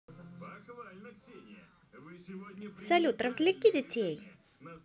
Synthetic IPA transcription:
sɐlʲut̪ɾəvzʲlʲɪkʲːidʲɪtʲʰej

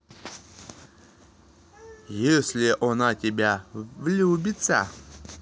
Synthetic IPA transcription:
jesʲlʲɪʔɔnatʲɪbʲavlʲubʲɪt̪sə̰

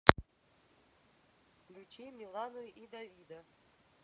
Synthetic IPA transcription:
lʲut͡ʃʰimʲilˠanuʔid̪avʲid̪a

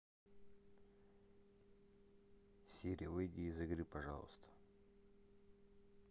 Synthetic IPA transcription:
sʲeɾʲijəvɨjdʲiːzɨɡɾɨpɐʐa̰lˠə̰st̪ʰə̥

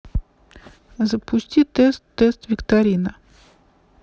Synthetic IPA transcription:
zəpʰʊsʲtʲit̪ɛst̪ːɛst̪vʲɪkt̪aɾʲinə

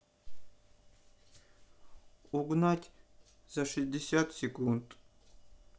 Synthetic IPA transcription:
uɡnatʲ | z̥aʂɪzʲdʲɪsʲat̪sʲekunt̪ʼ

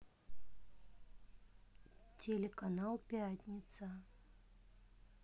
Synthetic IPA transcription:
tʲelʲɪkanalˠpʲatʲnʲɪt̪sə

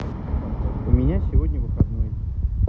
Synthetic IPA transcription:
ʊmʲɪnʲasʲɪvo̞dʲnʲəvɨxɐd̪noj

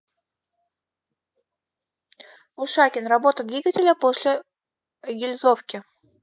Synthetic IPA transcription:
ʊʂakʲɪnrɐbo̞t̪əd̪vʲiɡətʲɪlʲəpo̞sʲlʲɪ | ɡʲɪlʲzofkʲɪ

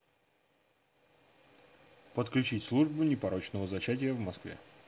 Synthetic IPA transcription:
pət̪klʲʉt͡ɕitʲslˠuʐbʊnʲɪpɐɾo̞t͡ɕnəvəzɐt͡ɕætʲɪjəvmɐskvʲḛ

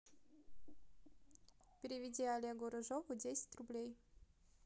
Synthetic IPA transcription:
pʲɪɾʲɪvʲɪdʲiɐlʲeɡʊɾɐʐovʊdʲesʲɪ̥tʲrʊblʲej

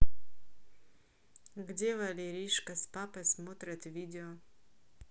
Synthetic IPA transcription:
ɡdʲevɐlʲeɾʲiʂkɐspapɨsmot̪ɾʲɐt̪vʲidʲɪo

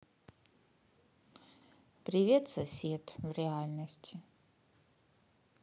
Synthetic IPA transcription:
pɾʲɪvʲet̪sɐsʲet̪vɾʲɪalʲnəsʲtʲʰɪ

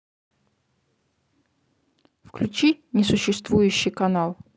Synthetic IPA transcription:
fklʲʉt͡ɕinʲɪsʊɕːɪst̪vujʉɕːɪjkɐnalˠ

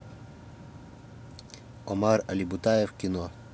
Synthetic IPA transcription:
ɔmaɾalibut̪ajefkino

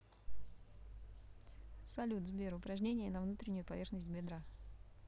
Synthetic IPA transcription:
sɐlʲut̪zbʲeɾʊpɾɐʐnʲenʲɪjənəvnut̪ɾʲɪnʲːʊjʊpɐvʲe̞rxnəsʲtʲbʲɪd̪ɾa

